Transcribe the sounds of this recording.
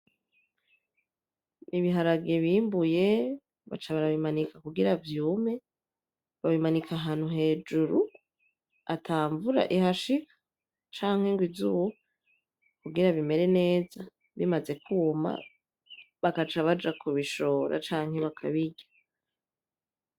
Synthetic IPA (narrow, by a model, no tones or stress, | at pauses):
niβiɦaɾaɡeβiːmbuje̞ | βa̰t͡ʃaβaɾaβimanikakuɡiɾavjuːme̞ | βaβimanikʰaɦaːn̥uɦe̞ːd͡ʒuɾu | atʰaːɱvuɾa̰ʔiɦaʃikḁ | t͡ʃaːŋ̥he̞ŋɡwizuwu | kuɡiɾaβime̞ɾe̞ne̞ːza | βimaze̞kʰuma̰ | βakat͡ʃaβad͡ʒakʰuβiʃo̞ːɾʔa̰t͡ʃaːŋ̥he̞βakʰaβiɟa